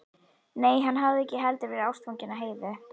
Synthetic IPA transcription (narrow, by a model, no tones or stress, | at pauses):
neːjɦanɦavðɪɛhcɪɦɛlt̪ɪvɛːɾɪawst̪fowɲcɪnːaɦeːjðɪ